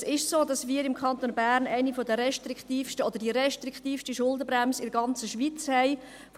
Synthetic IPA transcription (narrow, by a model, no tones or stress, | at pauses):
sɪʃsoːdɑsmiːɾɪmkʰɑnt̪onbæɾnæɪnifɔd̪əɾɛʃtɾikt̪iːfʃtəɔd̥̪əd̥iɾɛʃtɾikt̪iːfʃtiʃʊldəbɾæmsɪdəɡɑnt͡səʃʋit͡shɛɪ | f